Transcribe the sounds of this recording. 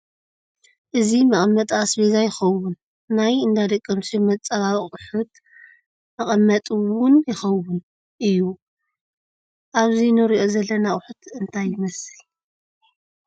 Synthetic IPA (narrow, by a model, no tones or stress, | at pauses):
ʔɨzimɐχʼmːɐt̪ʼasbezajɪxɐwʊnː | ajɨnd̪ad̪ɐkʼːɐmsimɐt͡sʼɐβaβʼɨħut̪ | mɐχʼɐmːɐt̪ʼɨwʊnjɪxɐwʊn | ʔɨjːu | ʔaβzinɨɾiʔo̞zɐlːɐnaʔʼħut̪ʰɨnt̪ʰajːɪmɐsɨ